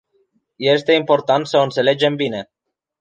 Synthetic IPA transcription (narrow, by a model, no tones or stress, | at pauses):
je̞st̪e̞impo̞rt̪ant̪səont̪se̞le̞d͡ʒe̞mbine̞